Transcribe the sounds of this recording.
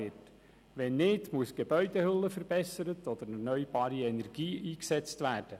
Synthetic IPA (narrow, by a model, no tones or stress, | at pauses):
ɪt | ʋɛnːɪːdmuəsɡ̥eb̥œʏd̥̪ehʏlːəfəɾb̥ɛsəɾətɔd̪əɾɛrnœʏb̥ɑːɾiɛnɛɾɡ̥iːʔiːksɛt͡st̪væːrd̥ə